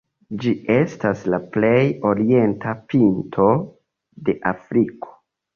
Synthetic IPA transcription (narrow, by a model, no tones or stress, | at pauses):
d͡ʒie̞staslaple̞jo̞ɾie̞ntʰapintʰo̞ | de̞ʔafɾiko̥